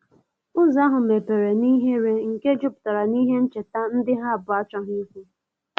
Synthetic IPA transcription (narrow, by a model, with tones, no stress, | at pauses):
ʊ˦za˦ɦʊ˨me˨pe˨ɾe˨ni˦ɦe˦ɾe˦ŋ̩˨ke˦d͡ʒʊ˦pʊ̥˨ta˨ɾa˨ni˦ɦe˦n̩˦t͡ʃe˨ta˦n̩˦dɪ˦ɦa˦˨bʊ˨˦a˦t͡ʃɔ˦ɦi˦ɦu˦